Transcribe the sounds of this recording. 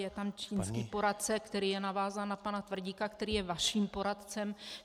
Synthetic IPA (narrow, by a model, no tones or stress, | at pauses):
jɛt̪amt͡ʃiːnskiːpo̞ɾat̪̚t͡sɛkt̪ɛɾiːjɛnavaːzaːnapanat̪vr̩ɟiːkakt̪ɛɾiːjɛvaʃiːmpo̞ɾat̪t͡sɛm